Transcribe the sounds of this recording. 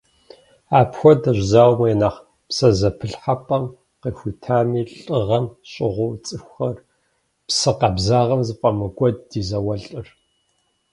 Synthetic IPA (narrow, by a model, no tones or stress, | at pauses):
aːpxʷɔdɐʑʷzaːwmɐɛnaːχ | psɐzɐpʰɨɬħapʼɐm | qexʷitʰaːmiːɬʼɨʁɐmɕʼɪʁʷʊwt͡sʼɨxʷxɐr | psɨqɐbzaːʁɐmzɨpʼɐmɨɡʷʼɔd̚ːiːzɐwɐɬʼɨr